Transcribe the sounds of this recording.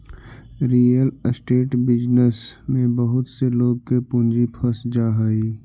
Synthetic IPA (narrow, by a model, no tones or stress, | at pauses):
ɾiːəlsʈeːʈbɪd͡ʒnəsmẽbɐɦʊt̪seloːɡ̚kepʊ̃nd͡ʒipʰɐsd͡ʒaːɦəiː